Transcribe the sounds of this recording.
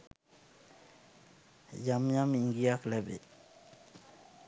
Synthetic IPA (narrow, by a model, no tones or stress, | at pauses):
jamjamiŋɡijaklɛbḛ